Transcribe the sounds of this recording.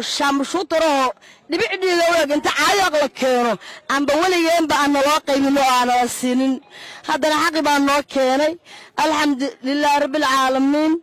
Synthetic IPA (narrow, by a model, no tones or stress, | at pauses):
ʃaːmʊʃʊt̪ʰɐɾɔhɔɖɪβɪʕɖiːɣɐʊɽɛːɡɪnt̪ʰɐʕɑjaqlɐkʰɛːnɔʔɐmbɐwɐlɪɣɛːmbɐanːɐlɔːqɑjβɪnɔaːnɐlɐsiːnɪnhɐd̪ɐnɐħɑqːɪβaːnɔːkʰɛːnɛjʔɐlħɐmd̪ʊlɪlːaːhrɐbːɪlʕɑːlɐmiːn